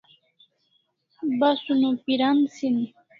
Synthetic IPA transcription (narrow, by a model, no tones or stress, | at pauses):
basʊnupiɾansin